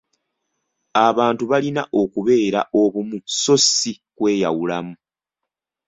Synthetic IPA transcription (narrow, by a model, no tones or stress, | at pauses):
aβaːntuβalinaʔo̞kuβe̞ːɾa̰ʔo̞βumuso̞si | kwe̞ːjawulamu